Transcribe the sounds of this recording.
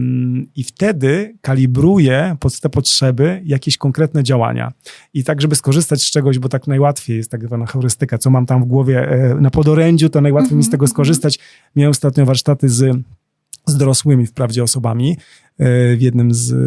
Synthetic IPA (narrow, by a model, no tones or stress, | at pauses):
ift̪ɛd̪ɘkalʲibɾujɛpɔt̪t̪ɛpɔtʂɛbɘjakʲeɛɕkɔŋkɾɛt̪nɛd͡ʑawa̰ɲa̰it̪aɡʐɛbɘskɔʐɘst̪at͡ɕst͡ʂɛɡɔʑbɔt̪aknajwat̪fʲjejɛst̪ːaɡzvanaxɔɾɘst̪ɘkat̪sɔmamt̪amvɡwɔvʲjɛnapɔd̪ɔɾɛɲd͡ʑut̪ɔnajwat̪fʲejmist̪ɛɡɔskɔʐɘst̪at͡ɕ | mʲjawɛmst̪at̪ɲɔ̃vaɾʂt̪at̪ɘz | zd̪ɔɾɔswɘmʲifpɾavd͡ʑɛɔsɔbamʲi | vʲjɛd̪nɘmz